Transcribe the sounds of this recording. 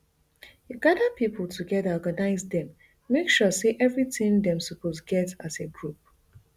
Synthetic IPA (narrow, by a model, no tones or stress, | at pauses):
juɡadəpʰipʰl̩ˠtʰuɡɛdaɔɡanaɪzdɛ̃mː | ekʃɔseʔɛvɹitɪ̃ndɛ̃msəpʰosɡɛtaseɡɹup̚